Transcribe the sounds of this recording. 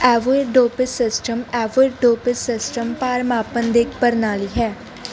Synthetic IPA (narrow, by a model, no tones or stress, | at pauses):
ɛːʋeɖoːpɪsɪsʈəmɛːʋeːɾɖoːpɪsɪsʈəmpaːɾmaːpənd̪ekʰpəɾnaːliːɦɛː